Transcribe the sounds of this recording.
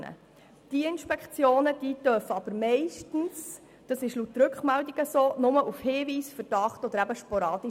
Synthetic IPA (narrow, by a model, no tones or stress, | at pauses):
nə̰ | d̥iəɪnʃpɛkχt͡sjoːnəd̥iːtœfəɑb̥əɾmɛɪʃtn̩s | d̥ɑsɪʃlutːɾɵkχmældiɡ̥əsoːnʊməʔufhɪːviːsfəɾd̥ɑχtɔd̪əɾæbəʃpɔɾɑːdi